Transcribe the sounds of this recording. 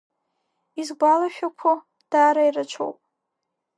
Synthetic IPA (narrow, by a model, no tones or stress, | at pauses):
izɡʷalaʃᶣakʷʰa | d̥aːɾairat͡ʃʷʰo̰wpʼ